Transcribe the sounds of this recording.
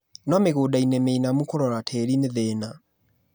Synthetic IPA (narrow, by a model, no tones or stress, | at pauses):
nɔmeɣodainɛmeinamukoɾɔɾatʰɛɾineðɛna